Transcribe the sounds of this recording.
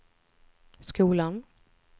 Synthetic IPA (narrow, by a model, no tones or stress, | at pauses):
skuːlan